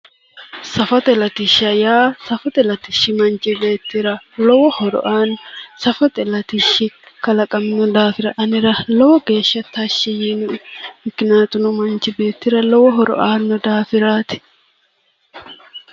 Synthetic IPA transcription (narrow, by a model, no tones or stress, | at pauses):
sɐfɐt̪ɛlɐt̪ɪʃɐjaːsɐfɔt̪ɛlɐt̪ɪʃːɪmɐnt͡ʃɪbe̞ːt̪ːɪɾɐlɔwɔhɔɾɔ̰ʔaːnsɐfɔt̪ɛlɐt̪ɪʃːɪkɐlɐkʼɐmnɔd̪aːfɪɾɐʔɐnɪɾɐlɔwɔɡe̞ːʃːɐt̪ːaːʃːɛjinʊmɪkɪnaːt̪ʊnʊmɐnt͡ʃɪbe̞ːt̪ːɪɾɐlɔwɔɦɔɾɔ̰ʔaːnːɔd̪aːfɪɾaːt̪ɪ̥